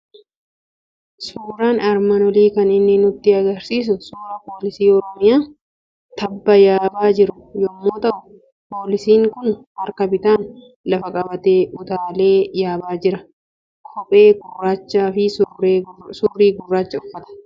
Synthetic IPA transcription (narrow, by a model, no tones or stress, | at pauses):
suːɾaːnɐɾmɐnɔliːkɐnɪnːɪnʊt̪ːɪɐɡɐɾsiːs̬ʊsuːɾapo̞ːlɪsiːɔɾɔmɪjaː | t̪ɐbːɐjaːbaːd͡ʒɪɾʊ | jɔmːoːt̪ɐ | po̞ːlɪsiːŋkʊnhɐɾkɐbɪt̪aːn | lɐfɐkʼɐbɐt̪eːʊt̪aːle̞ːjaːbaːd͡ʒɪɾɐ | kʰɔpʼe̞ːɡʊraːt͡ʃːaːfɪs | suːrːiːɡʊrːaːt͡ʃːɐʊfːɐt̪ɐ̥